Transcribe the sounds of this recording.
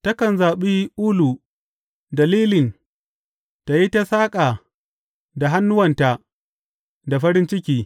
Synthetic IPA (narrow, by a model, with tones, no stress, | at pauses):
tɐ˦kɐ˨nzaː˨ɓiː˦ʔuː˦lu˨ | dɐ˨liː˦lɪ˨n | ta˨ji˦ta˦saː˦kʼa˨ | da˨ɦa˦nːʊ˦wɐ˨nta˨ | da˨ɸɐ˦ɾɪ˦nt͡ʃɪ˦kʲiː˦